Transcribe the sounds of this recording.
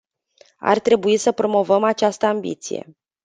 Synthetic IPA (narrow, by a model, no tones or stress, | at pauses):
a̰rt̪ɾe̞buisəpɾo̞mo̞vəmat͡ʃast̪əambḭt̪sije̞̰